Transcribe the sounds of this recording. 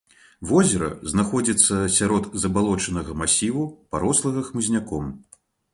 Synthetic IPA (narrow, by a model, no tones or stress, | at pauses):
vɔzʲɛɾɐ̰znaxɔd͡zʲit̪sːɐsʲaɾɔd̪zɐbalˠɔt͡ʂɐnɐɣɐmasʲivupaɾɔslˠɐɣɐxmɨzʲnʲakɔm